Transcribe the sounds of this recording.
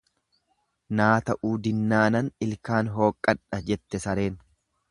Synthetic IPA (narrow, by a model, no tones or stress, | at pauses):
naːt̪ɐʔuːd̪ɪnːaːnɐnɪlkaːnɦo̞ːkʼːɐᶑɐd͡ʒɛt̪ːɛsɐɾe̞ːn